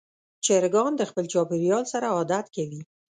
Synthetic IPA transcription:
t͡ʃeɾɡɑnd̪əxpəlt͡ʃɑbɪɾijɑlsaɾaɑd̪at̪kawi

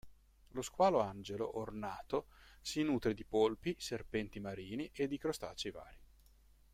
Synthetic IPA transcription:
loskwaːloand͡ʒelo̰ʔornaːt̪osinuːt̪ɾed̪ipolpiserpɛnt̪imaɾiːniʔed̪ːikɾost̪a̰ːt͡ʃiva̰ːɾi

